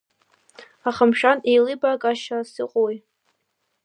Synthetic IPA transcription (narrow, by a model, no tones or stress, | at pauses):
aχəmʃᶣanejlɨbakʼaʃasɨqʼoj